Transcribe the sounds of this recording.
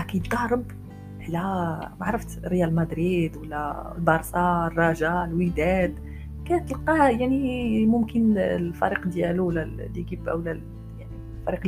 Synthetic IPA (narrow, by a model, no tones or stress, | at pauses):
ʔækæjd̪ˤɑɾˤəb | ʕlæmaʕɾˤəft̪ɾəjælmæd̪ɾid̪wəlːælbɑɾˤsˤɑrˤːɑʒɑlwid̪æd̪ | kænt̪ːəlqɑjaʕnimʊmkənlfæ̰ɾiqd̪jæluwlælːiɡibæwlæ | jaʕni | fæɾiq